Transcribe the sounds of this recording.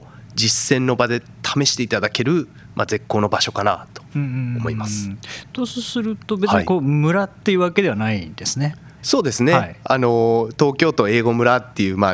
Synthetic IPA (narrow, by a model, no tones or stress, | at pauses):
d͡ʑisːẽ̞nːo̞bad̪e̞ | t̪ʰame̞ɕi̥t̪e̞it̪ad̪ake̞ɾɯ̟ | mʔa̰ze̞kːo̞ːno̞baɕo̞kana̰t̪o̞̥ɯ̃ːomo̞imasɨ̥t̪ossɨɾɯ̟t̪o̞bet͡sɨɲiikoːmɯ̟ɾat̪ːe̞jɯ̟ːβake̞d̪e̞βanaid̪e̞sɨne̞ | so̞ːd̪e̞sɨne̞iano̞t̪o̞ːkʲo̞ːt̪o̞e̞ːɡo̞mɯ̟ɾat̪ːe̞jɯ̟ːma